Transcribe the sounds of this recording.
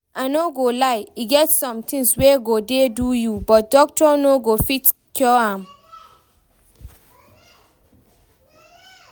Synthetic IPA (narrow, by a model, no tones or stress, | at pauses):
ʔãnoɡolaɪiɡɛtsɔ̃mtʰĩŋsweɡodedujubɔt̚dɔk̚tɔnoɡofitkʰjɔãm